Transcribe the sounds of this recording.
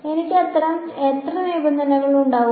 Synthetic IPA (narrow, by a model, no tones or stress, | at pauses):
e̞nikʲːɨɐt̪ːɐrɐm | e̞t̪rɐnibɐnd̪ʱɐnɐɣɐɭuɳɖaːʋu